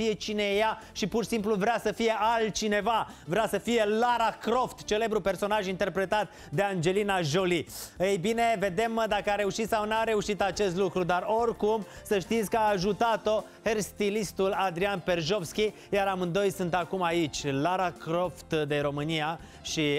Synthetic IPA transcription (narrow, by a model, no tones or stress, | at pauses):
ije̞t͡ʃineja | ʃipurʃi̥simpluvɾʲeasəfije̞ʔalt̪̚t͡ʃine̞vavɾeasəfije̞laɾakɾo̞ft̪t͡ʃe̞le̞bɾupe̞rso̞naʒint̪e̞rpɾe̞t̪at̪̚ | d̪e̞and͡ʒe̞linaʒo̞liəjbine̞ve̞d̪e̞məd̪akəaɾe̞uʃit̪sawnaɾe̞uʃit̪at͡ʃe̞st̪lukɾud̪aro̞rkumsəʃt̪it̪sʲkəaːʒut̪at̪o̞ | herst̪ilist̪ulad̪ɾianpe̞rʒofskʲi | jaɾamɨnd̪o̞jsunt̪akumait͡ʃʲlaɾakɾo̞ft̪d̪e̞ɾo̞mɨnija | ʃi